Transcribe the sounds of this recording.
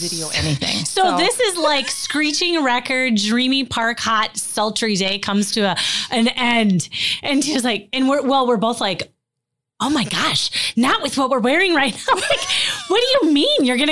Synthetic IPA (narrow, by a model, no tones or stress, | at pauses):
ɪɾioʊʔɛniθɪ̰̃ŋsoʊʊðɪsɪzlaɪkskɹit͡ʃɪ̃ŋɹɛkə˞d̚dɹĩmipʰɑɹkhɑt̚sʌlˠt͡ʃə˞ideɪkʰʌ̃mz̥tʰɨʔɨ̃nɛ̃ndʔɨ̃nʃid͡ʒʌz̬laɪk̚ɨ̃nwɪɹwɛlˠwɪɹboʊθlaɪk | oʊmaɪɡɑʃnəʔ̚wɨðwʌt̚wəɹwɛɹɪ̃ŋɹaɪtⁿnaʊlaɪkwʌt̚d̥ɨjɨmĩnjə˞ɡʌñɨ